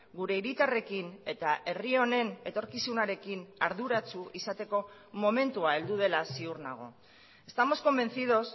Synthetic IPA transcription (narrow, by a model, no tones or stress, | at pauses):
ɡuɾe̞iɾit̪are̞kine̞t̪aʔe̞rio̞ne̞ne̞t̪o̞ɾkisunaɾe̞kinaɾðuɾat͡suʔisat̪e̞ko̞ | mo̞me̞nt̪uae̞ld̪uð̞e̞lasiuɾna̰ɣ̞o̞̰ | e̞st̪amo̞sko̞mbe̞nθið̞o̞s